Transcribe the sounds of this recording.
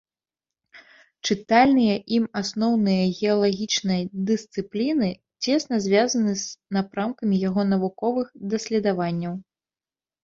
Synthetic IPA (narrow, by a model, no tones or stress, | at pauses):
t͡ʂɨt̪alʲnɨjɐʔimasnɔwnɨjɐɣʲɛɐlˠaɣʲit͡ʂnɐjɐd̪ɨst̪sɨplʲinɨ | t͡sʲɛsnɐzʲvʲazɐnɨznapɾamkɐmʲijaɣɔnɐvukɔvɨxd̪ɐsʲlʲɛd̪avanʲːɐw